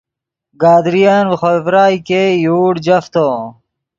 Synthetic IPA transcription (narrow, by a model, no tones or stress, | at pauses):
ɡaːd̪ɾijanwxovɾaːjkejuːɽd͡ʑɐft̪o